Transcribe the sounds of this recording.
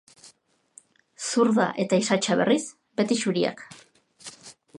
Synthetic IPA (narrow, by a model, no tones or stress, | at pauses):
suɾða̰ʔe̞t̪aisat͡ʃaβe̞̰ris | be̞t̪iʃuɾia̰k